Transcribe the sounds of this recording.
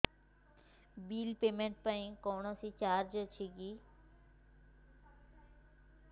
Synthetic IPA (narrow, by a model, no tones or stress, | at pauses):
biːlpemeɳʈ̚paĩkɔwɳɔsit͡ɕaɾd͡ʑət͡ɕʰiɡi